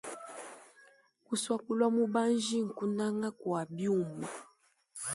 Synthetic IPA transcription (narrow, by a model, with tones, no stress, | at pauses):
ku˨swa˦ku˦lwa˦mu˦ba˦n˦d͡ʒi˦ŋ̩˨ku˦na˦ŋa˦kwa˨bi˦u˦˨mu˨